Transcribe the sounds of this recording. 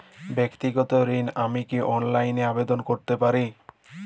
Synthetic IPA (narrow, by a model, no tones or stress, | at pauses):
bekt̪iɡɔt̪oɾinamikiʔɔnlajneabed̪onkoɾt̪epaɾi